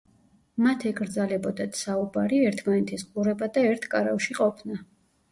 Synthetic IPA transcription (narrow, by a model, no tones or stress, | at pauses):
mat̪ʰɛɡʼɾd̪zalɛbɔd̪at̪ʰsaubaɾiɛɾt̪ʰmanɛt̪ʰisqʼuɾɛbad̪aɛɾt̪ʰkʼaɾafʃiqʼɔpʰna